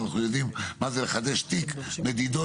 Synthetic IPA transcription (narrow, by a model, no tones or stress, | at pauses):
naχnujod̪immazeleχad̪eʃt̪ikmed̪id̪o